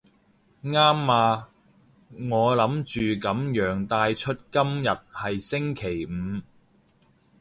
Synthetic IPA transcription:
ŋaː˥mːaː˧ | ŋɔː˨˧lɐ˨˥mt͡ʃyː˨kɐ˨˥mjœː˨˥ŋt̪aː˧jt͡ʃʰɵ˥t̚kɐ˥mjɐ˨t̚hɐ˨jsɪ˥ŋkʰe˨˩jm̩˨˧

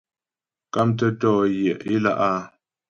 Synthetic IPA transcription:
ka˦mt̬ə˦tɔː˦˨jjɛ˨ʔi˦la̰˦ʔa˦

